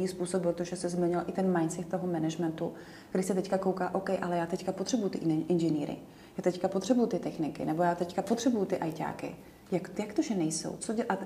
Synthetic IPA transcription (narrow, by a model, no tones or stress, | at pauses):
iːspuːsop̚bɾot̪oʒɛsɛzmɪɲɪlʔɪt̪ɛnmajnt̪sɛkt̪t̪oɦomɛnɛʒmɛnt̪u | k̪ɾɪsɛt̪ɛckako̞wkaːʔowkɛjʔalɛjaːt̪ɛckapot̪r̥ɛbujut̪ɪʔɪnʒɛniːɾɪ̰ | jaːt̪ɛckapot̪r̥ɛbujut̪ɪt̪ɛxnɪkɪ̰nɛbo̞jaːt̪ɛckapot̪r̝̥ɛbujʊt̪ɪʔajca̰ːkɪ̰ | jakjakt̪oʒɛnɛjso̰wt͡soʔa